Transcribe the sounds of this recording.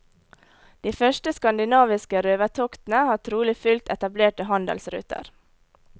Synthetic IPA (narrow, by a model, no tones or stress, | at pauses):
d̪̥iːfœʃʈəskɑnd̪ɪnɑːʋɪskəɾøːʋət̪ʰokt̪n̩əhɑːt̪ʰɾuːlɪfʉlt̪ɛt̪ɑbleːʈəhɑnd̪ə̰lsɾʉ̰ːt̪ʰə̰ɾ